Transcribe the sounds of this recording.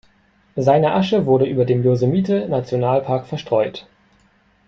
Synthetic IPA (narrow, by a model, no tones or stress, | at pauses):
zaɪnəʔaʃəvʊɐɾəʔyːbɐdeːmjozemiːtənat͡sjonaːlpʰaɐkfɛɐʃtʁ̥ɔʏt